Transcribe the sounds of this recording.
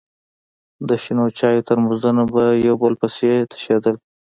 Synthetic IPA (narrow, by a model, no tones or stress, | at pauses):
d̪əʃinot͡ʃɑjot̪əɾmuzənabajawbəlpəset̪ʰḁʃed̪əl